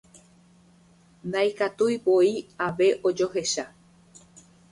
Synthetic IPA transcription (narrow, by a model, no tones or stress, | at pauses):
nd̪ajkat̪ujpoiaʋe̞ʔod͡ʒo̞ɦe̞ʃa